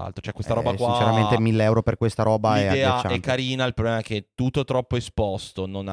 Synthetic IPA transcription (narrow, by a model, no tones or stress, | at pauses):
a̰lt̪ɾo̥t͡ʃoɛkːwest̪aɾɔbakwaĩnt͡ʃeɾament̪emilːeɛwɾoperkwest̪aɾɔːbaiɛd̪ɛːaɛkːaɾiːnailpɾoblɛmaɛk̟ːet̪ːut̪ːot̪ɾɔpːoespɔst̪onona